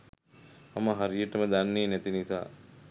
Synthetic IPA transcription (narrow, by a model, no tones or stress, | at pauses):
aməɦaɾijəʈəməd̪anːeːnɛt̪inisa̰ː